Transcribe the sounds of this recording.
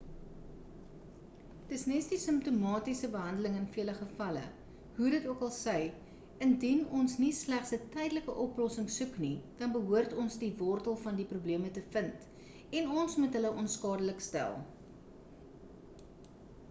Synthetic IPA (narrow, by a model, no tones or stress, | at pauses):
təsnɛsdisəmp̚tumɑːtisəbəɦɐndələŋənfiələχəfɐlə̰ | ɦudətuəkɐlˠsɛj | əndinɔnsnislæχsətɛjdələkəʔɔplɔsəŋsuknid̥ɐnbəɦuərtɔnsdivɔrtəlˠfɐndiprubliəmətəfənt | ɛnɔnsmutɦələʔɔnskɑːdələkstæ̰lˠ